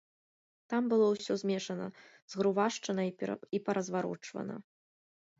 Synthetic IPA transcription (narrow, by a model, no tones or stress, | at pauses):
t̪ambɨlˠɔwsʲɔzʲmʲɛʂɐnɐ | z̥ɣɾuvaʂt͡ʂɐnɐipɐɾɐzvaɾɔ̰t͡ʂvɐ̰nɐ̰